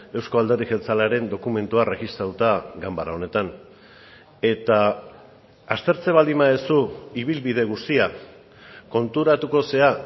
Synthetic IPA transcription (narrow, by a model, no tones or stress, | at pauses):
e̞wsko̞ald̪erixelt͡salaɾe̞nd̪o̞kume̞nt̪uare̞ɣist̪ɾat̪ut̪aɡambaɾao̞ne̞t̪an | e̞t̪aː | st̪e̞ɾt͡se̞βald̪imaesuiβilβið̞e̞ɣ̞ust̪ia | ko̞nt̪uɾat̪uko̞se̞a